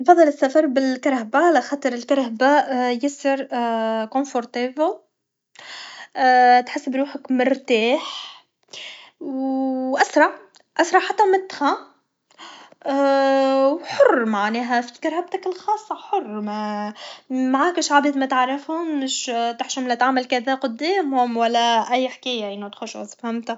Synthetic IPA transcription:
fɑðˤːɑlɪsːæfɑɾˤbɪlkaɾˤhabalʔaxɑːt̪ˤɨɾɪlkaɾˤhabaʔjɪsɪɾkonfoɾˤt̪eːb | t̪ħɪsːbɾuːħəkmɪɾt̪aːħ | wʔasɾˤɑʕ | ʔasɾˤɑʕħat̪ːæmɪt̪ːxæ | wħʊrˤːmaʕnɛːɦæfikɑɾˤhab̚t̪ækɪlxɑːsˤːɑħʊrˤːmæ | maʕaːkɪʃʕabit̪mæt̪ʕɾˤɪfhʊmːɪʃt̪aħʃʊmlæt̪ʕamːælkæðæːqʊd̪ːeːmhʊmwælːæʔæjːħkæjːaʔɪnːot̪xʊʃʔazˤfhamt̪æ

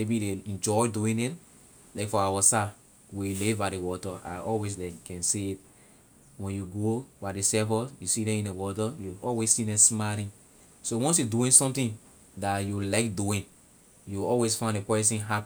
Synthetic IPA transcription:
mebiɾeɛ̃nd͡ʒɔɪduĩndɛ̃n | laɪkfɔawɔsa | welebadewɔtaa̰ʔɔlwes̬dɛ̃kɛ̃nseit̚ | wɛ̃njuɡobaɪdesɛvɔjusidɛ̃mĩndewɔtajuɔlwessidɛ̃msmaɾĩn | sowɔ̃ns̬juduĩnsɔ̃mtĩn | dajulaɪkduĩn | juɔlwesfãɪ̃nekɛsĩnɦap

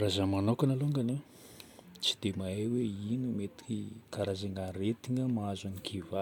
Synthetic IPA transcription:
razamanokanaloŋɡane | t͡ʃi̥d̪̥emaeweinumet̪i̥kikaɾazaŋaret̪iŋəmaazanikʰiva

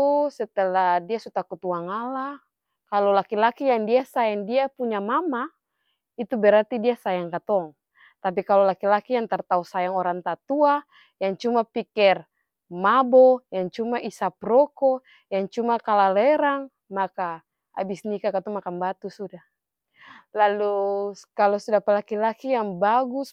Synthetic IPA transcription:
t̪usɛt̪ɛladiasut̪akut̪uaŋala | kalɔlakilakijaŋdiasajaŋdiapuɲamama | it̪ubɛɾart̪idiasajaŋkat̪ɔŋ | t̪ap̬ikalɔlakilakijaŋt̪art̪ausajaŋɔɾaŋt̪at̪ua | jaŋt͡ʃumapikɛr | mabɔjaŋt͡ʃumaʔisapɾɔkɔ | jaŋt͡ʃumakalalɛɾaŋ | maka | a̰bisnikakat̪ɔŋmakanbat̪usuda | lalukalɔsudapalakilakijaŋbaɡus

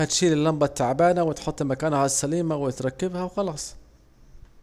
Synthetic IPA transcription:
at̪ʃiːlɪlːambat̪ːaʕbaːnawɪt̪ħʊt̪ˤːlmakaːnhasːaliːmawɪt̪ɾˤɑkːɪbhawxɑlɑːsˤ

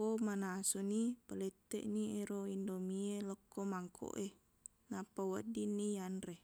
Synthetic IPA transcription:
omanasonipəlet̪ːeʔnieɾoindomieləkːomaŋkʰo̰ʔe | napawədinːijanre

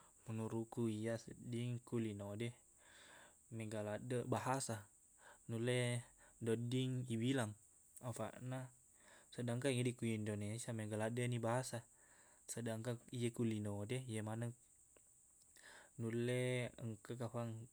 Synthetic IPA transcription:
mənuɾukuijasədiŋkulinode | meɡaladəbaɦasa | nuledodiŋibilaŋ | afa̰ʔna | sədaŋkaŋedikujindonesiameɡaladənibaɦasa | sədaŋkaijekulinodejemanək | nuleəŋkəkapaŋ

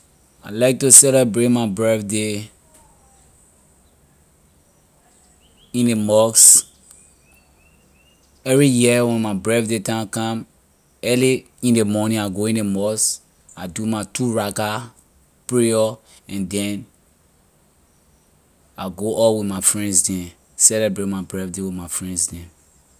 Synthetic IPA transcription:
alaɪk̚tusɛlɛbɹet̚maɪbɹɛθde | ĩnemɔks | ɛvɹijiəwɛ̃nmaɪbɹɛθdetãkãm | ɛli | ĩndemɔnĩaɡoĩnemɔs | adumatuɹaka | pɹiɔ | ɛ̃ndɛ̃n | aɡoʔɔlwiθmafɹɛ̃ndsdɛ̃ | sɛlebɹetmaɪbɹɛfdewimafɹɛ̃ndsdɛ̃

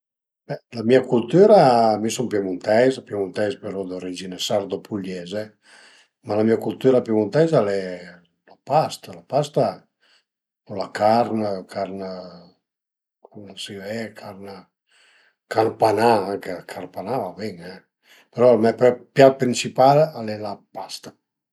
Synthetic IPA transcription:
bɛlamiakult̪yːɾamisɔmpjamunt̪ɛjzapjamunt̪ɛjzpeɾɔd̪əred͡ʒinesaɾd̪opʰuʎɛze | malamiakult̪yɾapjumunt̪ɛjzalɛ | lapast̪alapast̪a | ɔlakaɾnkʰaɾn | kumsivɛkʰaɾn | kanpanaaŋkəkʰaɾnpanavabɛŋɛ | peɾɔmɛpɛpjapɾinsipalalɛlapast̪ḁ

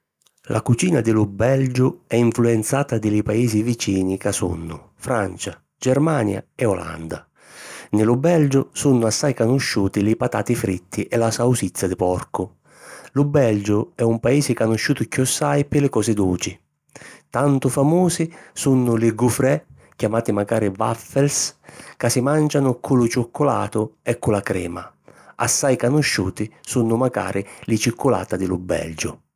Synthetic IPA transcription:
lʔa̰kut͡ʃiːnad̪ɪlʊbɛld͡ʒʊɛiɱfluɛnt̪saːt̪ad̪ɪlɪpaeːsivit͡ʃiːnikasṵnːʊ̰ | fɾant͡ʃa | d͡ʒɛɾmaːnja̰ɛɔla̰nd̪a̰ | nɪlʊbɛld͡ʒʊsunːʊasːajkanʊʃːuːt̪ilɪpat̪a̰ːt̪ifɾit̪ːiʔɛlasawsit̪sːad̪ɪpɔrkʊ | lʊbɛld͡ʒʊɛumpaiːsɪkanʊʃːuːt̪ʊkːiɔsːajpɪlɪkɔːsɪd̪uːt͡ʃɪ | t̪ant̪ʊfamuːsisunːʊlɪɡufɾɛ | kjamaːt̪imaɡaːɾɪva̰fɛlskasɪmand͡ʒanʊkʰʊlʊt͡ʃʊkʰːʊla̰ːt̪ʊɛkːʊlakɾɛ̰ːma̰a̰sːajkanʊʃːuːt̪isunʊmaɡa̰ːɾʔɪlɪt͡ʃikːʊla̰ːt̪ad̪ɪlʊbɛ̰ld͡ʒʊ

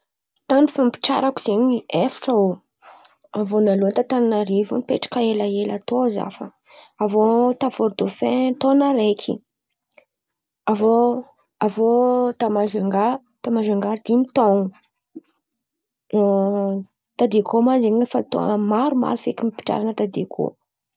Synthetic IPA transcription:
t̪anifampi̥ʈ͡ʂa̰ɾakuz̥eɲiefḁʈ͡ʂao | avonaluənt̪at̪annaɾivṵnipeʈ͡ʂḁkaelaela̰t̪oza̰fə̰ | avot̪avoɾd̪ofẽt̪onaɾekʰḭ | avo | avot̪amaʒeŋɡa | t̪amaʒaŋɡaɾd̪imit̪onu | t̪ad̪ekomazeɲefat̪o̰maɾuma̰ɾufekimipi̥ʈ͡ʂa̰ɾanət̪ad̪ekʰo̰

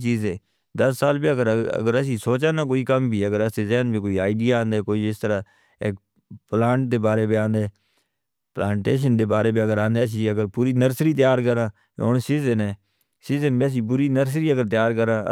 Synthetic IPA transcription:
t͡ʃiːzẽː | d̪əsːaːlbiːəɡəɾə̰ɡəɾəs̬ĩːsoːt͡ʃãːnaːk̬oːiːkəmbʱiːəɡəɾəseːzɛːnbiːkoːiːaːɪɖijaãːnd̪eɛːkoːiɪst̪əɾaː | ḛːk̚ | plaːɳʈ̚d̪eːbaːɾeːbiãːnd̪ɛː | plãːɳʈeːʃ̬ənd̪eːbaːɾeːbiːəɡəɾãːnd̪eːs̬iəɡəɾpuːɾiːnəɾsɾiːt̪̬ɪjaːɾkəɾã̰ː | o̰ːnsiːzənɛ̃ː | siːzənbəs̬iːp̬ʊɾiːnəɾs̬ɾiːəɡəɾt̪ɪjaːɾkəɾã̰ː

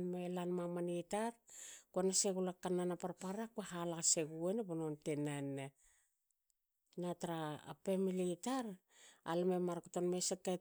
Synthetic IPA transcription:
nmelanmamanitaɾkonaseɡulakananapaɾpaɾakeɦalaɡaseɡuenebonontenane | nataɾa̰ːpe̞militaɾ | a̰lmemaɾkotonmeseka

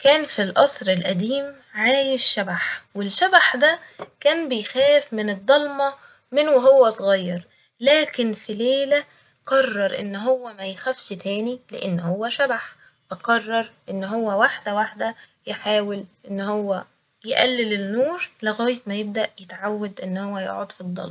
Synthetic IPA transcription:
kæːnfilʔɑsˤɾelʔæd̪iːm | ʕaːjeʃːæbaħwelʃæbaħd̪ækæːnbejxæːfmɪned̪ˤːɑlmɑ | menweɦowːæsˤɣɑjːɑɾˤ | læːkenfileːlæ | qɑrˤːɑɾˤʔḛnːɦowːæmæjxæfʃt̪æːnilḛʔenːhowːæʃæbaħ | fæqɑrˤːɑɾˤʔenːɦowːæwaħd̪æwaħd̪æ | jeħaːwelʔenːhowːæ | jeʔælːelenːuːɾleɣæːjet̪mæjeb̚d̪æʔjet̪ʕawːæd̪ʔenːhowːæjo̰ʕod̪ˤfid̪ˤːɑ̰lmɑ

